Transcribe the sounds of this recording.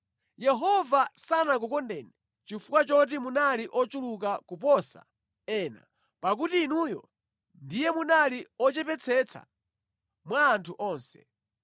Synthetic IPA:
jɛɦɔvasanak̬ukɔndɛːnɛ | t͡ʃifukwat͡ʃɔt̬imunaliʔɔt͡ʃulukakupɔsa̰ | ɛːna̰ | pakutiːnujɔ̰ | ndijɛmunaliɔt͡ʃɛpɛt͡sʰɛt͡sʰa̰ | mwaːntʰuʔɔːnsɛ̥̰

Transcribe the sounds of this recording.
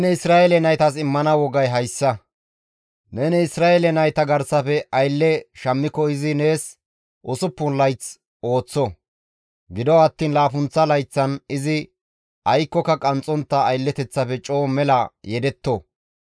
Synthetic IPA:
nɛɪsɾaːelɛnɐjt̪ɐs̬ɪmːɐnɐwɔɡɐjɦɐjsːɐ | nɛnɛɪsɾaːɛlɛnɐjt̪ɐɡɐɾsɐpɛʔɐjlːɛʃɐmːɪkːɔɪzɪne̞ːs | ʔʊsʊpːʊnlɐjt͡s | o̞ːt͡sːɔ | ɡɪd̪ɔɐt̪ːiːnlaːfʊnt͡sːɐlɐjt͡sːɐnɪzɪ | ʔɐjkːɔkːɐkʼɐnt͡sʼːɔnt̪ːɐːjlːɛt̪ɛt͡sːɐpɛt͡ʃʼo̞ːmɛlɐjɛd̪ɛt̪ːɔ

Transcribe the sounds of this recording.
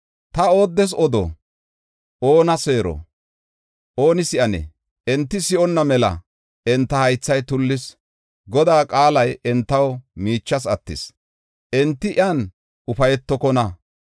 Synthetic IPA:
t̪ɐo̞ːd̪ːɛs̬ɔd̪ɔ̰ | ʔo̞ːnɐse̞ːɾɔ̰ | ʔo̞ːnɪsɪʔɐnɛ̰ | ʔɛnt̪ːɪsɪʔɔnːɐmɛlɐ̰ | ʔɛnt̪ːɐhɐjt͡sːɐjt̪ʊlːɪs | ɡɔd̪aːkʼaːlɐjɛnt̪ːɐwmiːt͡ʃːɐs̬ɐt̪ːɪ̰s | ʔɛnt̪ːɪʔɪaːn | ʔʊfɐjɛt̪ːɔkɔnɐ

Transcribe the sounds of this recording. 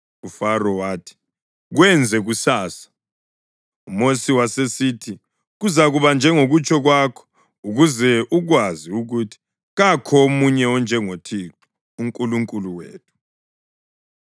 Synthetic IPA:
ufarɔwaːtʰi̥ | ɣwɛnd͡zʱɛɣusaːsḁ | umosiwasesiːtʰi | ɣuzaɣuβand͡ʒʱɛŋoɣut͡ʃʰʼɔɣwaːkʰɔ̥ | uɣuzɛʔuɣwaziuɣutʰi̥ | ɣakʰɔomuɲɛɔnd͡ʒʱɛŋotʰiǁu̥ | uŋkʼuluŋkʼuluwḛːtʰu̥

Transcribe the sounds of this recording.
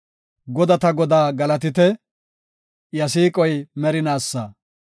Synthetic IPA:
ɡɔd̪ɐt̪ɐɡɔd̪aːɡɐlɐt̪̬ɪt̪ɛ | jɐs̬iːkʼɔjmɛɾɪnaːsːɐ

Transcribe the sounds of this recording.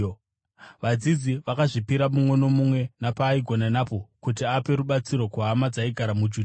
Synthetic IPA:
ʋad͡zid͡ziʋakaʐipiɾamumwe̞no̞mumwe̞napaːiɡʱo̞nanapo̞kutiape̞ɾuɓat͡siɾo̞kwaɦamad͡zaiɡʱaɾamud͡ʒuːd

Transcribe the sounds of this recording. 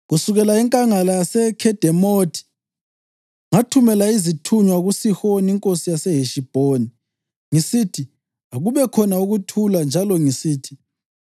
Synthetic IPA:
ɣusuɣɛlaiŋkʼaŋalasɛkʰɛd̥ʱɛmotʰi̥ | ŋatʰumɛlaizitʰuɲwaɣusixoniiŋkʼosijasɛɦeʃib̥ʱoni | ŋisitʰi | aɣuβɛkʰɔnauɣutʰuland͡ʒʱalɔŋisiːtʰi̥

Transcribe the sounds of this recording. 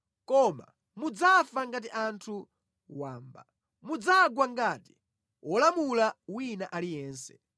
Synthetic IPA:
kɔma̰ | mud͡zafaŋɡat̬iʔantʰu | waːmba̰ | mud͡zaɡwaŋɡati̥ | wʔɔlamulawinaʔalijɛːnsɛ̰

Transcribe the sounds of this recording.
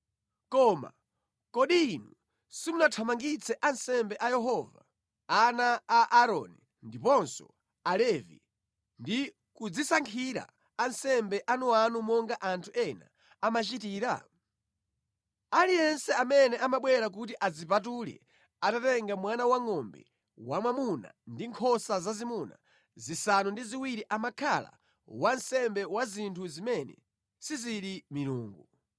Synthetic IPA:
kɔːma̰ | kɔɗiːnu | simunatʰamaŋɡit͡sɛʔansɛmbɛʔajɛɦɔva̰ | anaːʔːɾɔ̰ni | ndipɔnsɔ̰ | alɛvḭ | ndi | kud͡zisaŋkʰiɾa̰ | ansɛmbɛʔanuanumɔŋɡaʔantʰuʔɛna̰ | amat͡ʃitiːɾa̰ | alijɛnsɛamɛnɛamaɓwɛɾak̬ut̬iʔad͡zipatulɛ̰ | atatɛŋɡamwanawaŋɔmbɛ̰ | wamwamuna̰ndiŋkʰɔsazazimuna̰ | zisanundiziwiɾiʔamakʰala̰ | wansɛmbɛwazintʰuzimɛnɛ̰ | siziɾimiɾuːŋɡu

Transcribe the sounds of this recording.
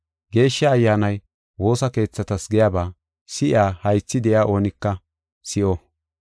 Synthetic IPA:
ɡe̞ːʃːɐːjːaːnɐj | wo̞ːsɐke̞ːt͡sːɐt̪ɐsɡɛjaːbaː | sɪʔaːhɐjt͡sːɪd̪ɛʔjaːʔo̞ːnɪkːɐ | sɪʔɔ

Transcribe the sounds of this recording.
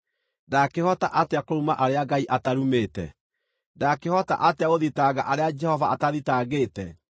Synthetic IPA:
dakehɔtaʔateakoɾumaʔaɾeaɡaiʔataɾumeːtɛ̰ | dakehɔta̰ʔateaɣoðitaɣaʔaɾead͡ʒɛhɔvaʔataðitaːɣeːtɛ

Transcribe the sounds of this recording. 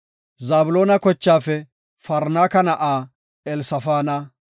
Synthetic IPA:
zaːbʊloːnɐkɔt͡ʃːaːfɛ | fɐɾnaːkɐnɐʔaː | ɛlsɐfaːnɐ

